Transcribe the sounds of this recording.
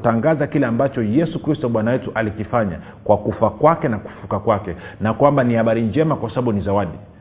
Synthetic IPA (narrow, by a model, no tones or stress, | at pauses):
taŋɡazakilɛambat͡ʃɔjɛsukɾistɔɓwanawɛtuʔalikifaɲa̰ | kwakufakwakɛnaku̥fukakwakɛnakwambanihaɓaɾiɲd͡ʒɛmakwasaɓaɓunizawaɗi